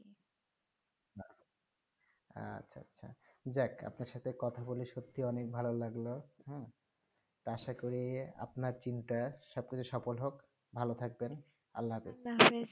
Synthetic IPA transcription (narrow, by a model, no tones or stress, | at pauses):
a | a̰tːɕʰaa̰tːɕʰa̰d͡ʑɛka̰pnaɾʃat̪ʰekɔt̪ʰaboliʃot̪ʰːiɔnek̚bʱalolaɡloɦɛ̃ | t̪aʃakoɾia̰pnaɾt͡ɕinʈaʃɔb̚kit͡ɕʰuʃɔpolɦok | bʱalot̪ʰak̚ben | a̰lːaɦapḛs